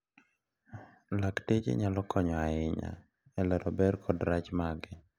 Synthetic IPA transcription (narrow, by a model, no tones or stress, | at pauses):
laktet͡ʃḛɲalɔkɔɲɔaɪɲa̰ | ɛlɛɾɔbɛɾkʰɔdɾat͡ʃmaɡɪ